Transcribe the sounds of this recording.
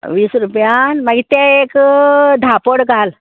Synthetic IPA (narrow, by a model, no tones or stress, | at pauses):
ʋiːsɾupjãnmaɡit̪ɛekd̪ʱapoɽɡal